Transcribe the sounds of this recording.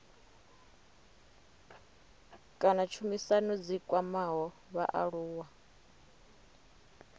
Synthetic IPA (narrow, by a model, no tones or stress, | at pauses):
kʼanat͡ʃʰumisanud͡zikʼwamaɦɔ | βa̰ʔa̰ɺuːwa